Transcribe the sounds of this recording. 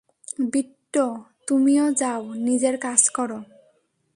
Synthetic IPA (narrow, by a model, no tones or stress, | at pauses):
biʈːot̪umiod͡ʑawnid͡ʑeɾkad͡ʑkɔɾo